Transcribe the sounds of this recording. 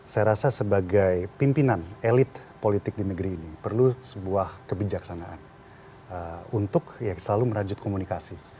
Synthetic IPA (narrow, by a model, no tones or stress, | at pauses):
sajaɾasasəbaɡajpimpinanelɪt̪ | polit̪ɪk̚dinəɡəɾiːnipərlusəbuahkəbid͡ʒaksanaʔan | əunt̪ʊkjasəlaluməɾad͡ʒʊt̪̚komunikasi